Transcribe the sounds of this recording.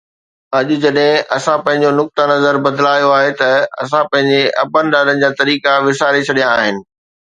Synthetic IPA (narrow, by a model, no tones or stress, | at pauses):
ɐʄʊ̆d͡ʑɐɗɦɪ̃ʔɐsãpɐ̃ɦɪ̃ɲ̆d͡ʑonʊk̚t̪anɐzəɾbɐd̪laːjoaːɦet̪ɐɐ̰s̬ãpɐ̃ɦɪ̃ɲd͡ʑeʔɐbənɪɗaːlənɪ̆d͡ʑaːt̪ɐɾiːkaʋɪsaːɾet͡ɕʰɐɗijãaːɦɪnɪ̆